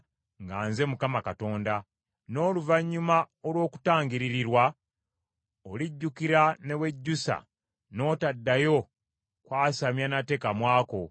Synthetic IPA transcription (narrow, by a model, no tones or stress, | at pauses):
ŋɡaːnze̞mukamakato̞ːnda | no̞ːluvaɲːuma | olwo̞ːku̥taːŋɡiɾiɾiɾwa | oliɟːukiɾane̞we̞ɟːusa̰ | no̞ːtadːajo̞ | kwaːsamjanate̞ːkamwaːko̞